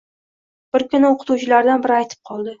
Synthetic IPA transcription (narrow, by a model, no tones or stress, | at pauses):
b̥ɪɾkʊnɪoqʰɨ̥t̪uwt͡ʃɪlaɾd̪anbɪɾɪajt̪ʰɪ̥p̚qʰɒlˠd̪ɪ